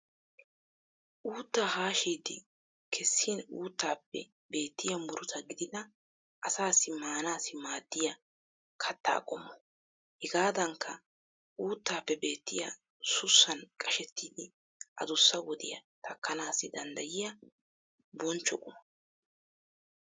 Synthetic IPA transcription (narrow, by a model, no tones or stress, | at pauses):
ʔuːt̪ːaːhaːʃiːd̪ɪ | kʰɛsːiːnuːt̪ːaːpːɛ̰ | be̞ːt̪ːɪjɐmʊɾʊt̪ɐɡɪd̪ɪd̪ɐ | ʔɐsaːsɪmaːnaːsɪmaːd̪ːɪjɐ | kʰɐt̪ːa̰ːkʼɔmːɔ | hɛɡaːd̪ɐŋkʰːɐ | uːt̪ːaːpːɛbe̞ːt̪ːɪjɐ | sʊsːɐnkʼɐʃɛt̪ːiːd̪ɪ | ʔɐ̰zʊsːɐwɔd̪ɪjɐ̰t̪ʰɐkːɐnaːsɪd̪ɐnd̪ɐjɪjɐ | bɔnt͡ʃːɔkʼʊmɔ